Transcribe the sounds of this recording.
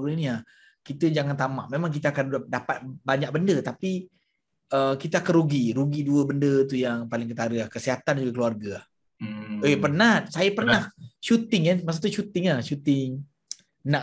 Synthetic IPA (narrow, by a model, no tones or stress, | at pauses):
ɾəiniah | kit̪əd͡ʒaŋant̪ama̰ʔmemãŋk̬it̪əakandapat̪̚baɲak̚bəndət̪api | əkit̪əakanɾuɡiɾuɡiduəbəndət̪ujaŋpalɪŋkət̪aɾəlahkəsiɦat̪and͡ʒuɡakluarɡaah | əpərnasajapərnahʃut̪ɪŋamas̬at̪uʃut̪ɪŋahʃut̪ɪŋ | naʔ